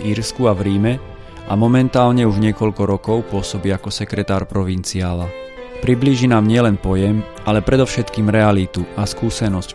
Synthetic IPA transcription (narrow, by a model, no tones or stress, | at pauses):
iɾskuavɾiːmɛ | amɔmɛnt̪aːlɲɛuʒɲɪɛkɔʎkɔɾɔkɔʊpʊɔsɔbiːakɔsɛkɾɛt̪aːɾpɾɔʋint͡siaːlapɾibliːʒinaːmɲɪɛlɛnpɔjɛm | ʔalɛpɾɛd̪ɔʊʃɛt̪kiːmɾɛalit̪uʔaskuːsɛnɔsc